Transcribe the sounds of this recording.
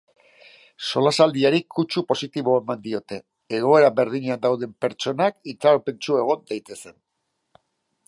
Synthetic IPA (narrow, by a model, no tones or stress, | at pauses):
so̞lasald̪iaɾikut͡ʃupo̞sit̪iβo̞e̞mand̪io̞t̪e̞ː | ɣo̞e̞ɾabe̞ɾð̞iɲeand̪awðe̞mpe̞ɾt͡ʃo̞nakit͡saɾope̞nt͡ʃue̞ɣ̞o̞nd̪ejt̪e̞se̞n